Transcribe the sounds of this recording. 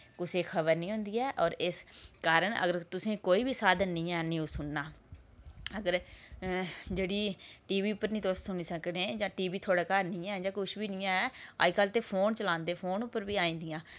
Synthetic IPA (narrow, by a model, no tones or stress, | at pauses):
kʊseːkʰəbəɾnĩːɦʊ̃nd̪iːɛːʔɔːɾɪskaːɾəɳə̰ɡəɾt̪ʊsẽːkoːiːbiːsaːd̪ənnĩːɛːnĩːosʊnːaː | əɡəɾ | d͡ʒeːɽiːʈiːʋiːʊpːəɾnĩːd̪ossʊniːsəkdẽːd͡ʒãːʈiːʋiːt̪ʰoːɽaːkaːɾnĩːɛːd͡ʒãːkʊʃbiːnĩːãɛːa̰ːkalt̪eːpʰoːnt͡ʃəlãːnd̪eːpʰoːnʊpːəɾbiːaːĩːnd̪ijãː